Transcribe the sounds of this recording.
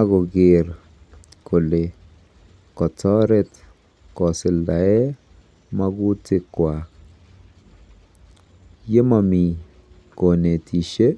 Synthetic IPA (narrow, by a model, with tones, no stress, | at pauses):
a˦kɔ˨ɡɪ˨ɾ | kʰo˨le˨ | kɔ˨t͡sɔ˦ɾɛ˦t | kɔ˨sɪ˨lda˨ɛ˦ | ma˦kʊ˦tɪ˦kːwa˨ | je˦ma˨mi˨ | ko˨ne˨tʰi˨ʃe˦